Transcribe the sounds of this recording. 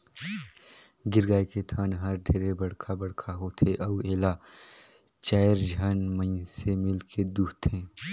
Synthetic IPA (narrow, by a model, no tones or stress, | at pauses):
ɡɪɾɡaːiket̪ʰaːnɦɐɾd̪ʱeːɾebɐɽkʰabɐɽ̤kʰaɦot̪ʰeʔɐueːla | t͡ʃaːjɾd͡ʒʱaːnmə̃jsemɪlkʰed̪ut̪ʰẽː